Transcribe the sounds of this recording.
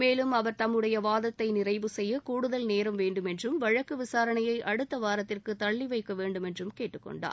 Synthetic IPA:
meːlɯmɐʋɐɾt̪ɐmːɯɽɐjɐʋaːðɐt̪ːɐɪnɪrɐɪʋɯsɛjːɐkuːɽɯðɐlneːɾɐmʋeːɳɖɯmɛndrɯmʋɐɻɐkːɯʋɪsaːɾɐnɐjɐɪʔɐɽɯt̪ːɐʋaːɾɐt̪ːɪrkɯt̪ːɐɭːiʋɐɪkːɐʋeːɳɖɯmɛndrɯmkeːʈːɯkːɔ̰ɳɖa̰ːɾ

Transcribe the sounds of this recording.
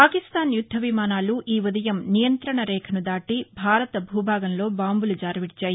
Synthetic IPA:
paːkist̪aːnjud̪ʱːɐʋimaːnaːluʔiːʋud̪ɐjɐmnijɐnt̪ɾɐɳɐɾɛːkʰɐnud̪aːʈibʱaːɾɐt̪ɐbʱuːbʱaːɡɐnlo̞ːbaːmbulud͡ʒaːɾɐʋiɽit͡ʃaːji

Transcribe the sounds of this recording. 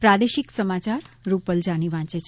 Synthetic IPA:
pɾad̪eʃiksəmat͡ʃaɾ | ɾupəld͡ʒaniʋãt͡ʃet͡ʃʰ

